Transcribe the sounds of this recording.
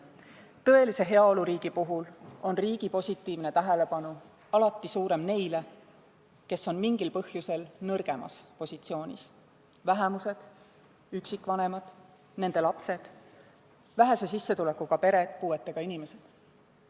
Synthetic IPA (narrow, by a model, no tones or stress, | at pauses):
t̪ɤ̞e̞lise̞ɦe̞ɑo̞luɾiːɡ̥ipuɦulo̞nriːɡ̥ipo̞sʲit̪ːˑiːvne̞t̪æɦele̞pɑnu | ɑlɑt̪ˑːisuːɾe̞mne̞jle̞ | ke̞sːo̞nmiŋɡ̥ilpɤhjuse̞lnɤrɡ̥e̞mɑ̰spo̞sit̪sio̞ːnʲḭs | væɦemuse̞d̪̥ | yksikˑvɑne̞mɑd̪̥ | ne̞nd̪̥e̞lɑpse̞d̪̥ | væɦesesisːe̞t̪ule̞kːuɡ̥ɑpe̞ɾe̞̥puːe̞t̪ːe̞ɡ̥ɑinʲime̞se̞d̪̥